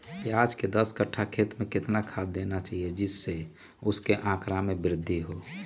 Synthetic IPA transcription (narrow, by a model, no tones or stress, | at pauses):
kiaːd͡ʒked̪əskəʈʰakʰeːt̪mẽkɪt̪nakʰad̪ːenat͡ʃaɦied͡ʒɪsːe | ʊskeʔãːkɾamebɾɪd̪ʱːiɦo